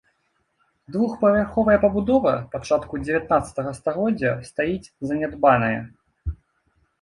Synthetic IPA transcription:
d̪vuxpɐvʲarxɔvɐjɐpɐbud̪ɔvɐpat͡ʂat̪kud͡zʲevʲat̪nat̪sɐ̥t̪ɐɣɐst̪aɣɔd͡zʲːɐst̪ajit͡sʲzɐnʲad̪banɐjɐ̰

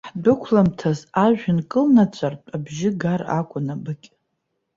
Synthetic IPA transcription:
ħdʊkʷʰlamtʰazaʒᶣɪnkʼɨlnat͡ɕʷʰartʼabʒɪɡara̰kʷʼʊnabɨkʲʼ

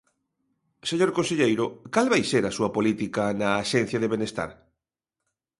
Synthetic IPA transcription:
seɲoɾkõnseʎejɾokalβajseɾasuɐpolit̪ikanaːʃɛ̃n̟θjaðeβenest̪a̰ɾ

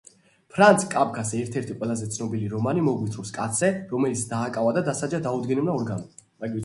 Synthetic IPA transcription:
pʰɾant̪sʰkʼabɡʰasɛɾt̪ʰɛɾt̪ʰiqʼwɛlˠazɛt̪sʰnɔbiliɾɔmanimɔɡwit̪ʰɾɔskʼat̪sʰɛɾɔmɛlit̪sʰd̪aːkʼavad̪ad̪asad͡ʒad̪aud̪ɡɛnɛbnaɔɾɡanɔmaɡii

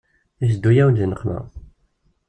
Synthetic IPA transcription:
isd̪ːujæwd̪ənəqːmæ̰

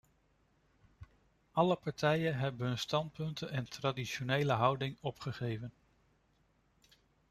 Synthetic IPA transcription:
ɑləpɑɹtɛjənɦɛbənɦɵnstɑnt̚pɵntənɛntradiʃonejləɦɑwdɪŋɔpχəχejvən

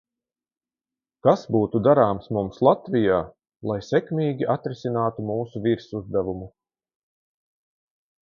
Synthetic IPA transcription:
kasbuːt̪ud̪aɾaːmsmumslˠat̪vijaː | lˠajsɛkmʲiːɡʲiʔat̪ɾisʲinaːt̪umuːsuviɾsuzd̪ɛvumu

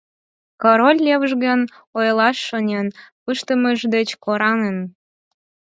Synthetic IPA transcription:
koɾolʲleβəʒɣən | ojlɑʃːonʲenpɨʃt̪ə̆məʒd̪et͡ɕkoɾɑnen

